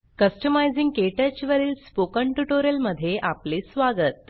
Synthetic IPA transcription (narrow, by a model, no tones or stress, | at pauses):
kəsʈəmajd͡ziŋɡkeʈət͡ɕiʋəɾiːlspokəɳʈuʈoɾjəlməd̪ʱːjeʔaplesʋaɡət̪̚